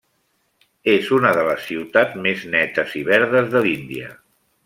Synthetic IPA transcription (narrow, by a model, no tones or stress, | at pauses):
ezunəðələsːiwt̪ameznɛt̪əziβɛɾðəzðəlind̪iə̰